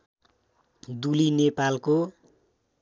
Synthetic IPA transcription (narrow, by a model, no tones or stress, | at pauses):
d̪ulinepalko